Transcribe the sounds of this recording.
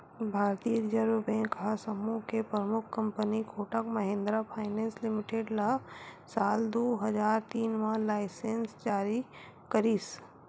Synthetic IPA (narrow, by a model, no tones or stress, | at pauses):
bʱaːɾt̪ijəɾd͡ʒəɾbẽːkɐɦasɐmuːkepɾəmʊkʰkːɐ̃mpənikʰoːʈəkmɐɦẽːnd̪ɾapʰaːɪnẽːnslɪmɪʈeːɖlasaːld̪oːɦɐd͡ʒaːɾt̪iːnmãlaːɪsensd͡ʒaːɾi | kɐɾiːs